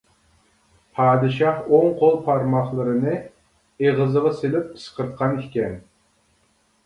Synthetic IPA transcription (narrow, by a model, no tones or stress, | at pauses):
pʰɑːd̪ɨʃɑχoŋqʰolˠpʰɑɾmɑχlˠɨɾɨnɨ | eʁəzəʁɑselɪp̚sqʰəɾt̪̚qʰɑnikʲɛn